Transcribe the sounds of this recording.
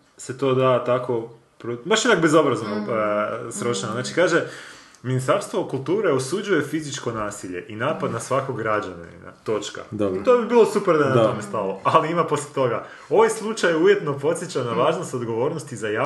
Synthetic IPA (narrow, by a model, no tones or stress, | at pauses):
se̞t̪o̞ːd̪at̪ako̞ | pɾobaʃinaːk̚bezo̞bɾazono | sɾot͡ʃnznaːt͡ʃikaːʒe | minist̪aɾst̪ʋo̞kulˠt̪uːɾeosud͡ʒuje̞fizit͡ʃko̞naːsiʎe̞̰ʔinaːpad̪nasʋakoɡːɾad͡ʑannḭna̰t̪o̞t͡ʃka̰d̪oit̪obibiːlˠo̞supeɾd̪anat̪omest̪alˠoaliimapo̞slʲjʲet̪o̞ɡa | o̞ʋajslˠut͡ʃajuje̞t̪no̞po̞t̪sjet͡ɕanaʋaːʒnost̪od̪ɡo̞ʋo̞ːɾnost̪izajaː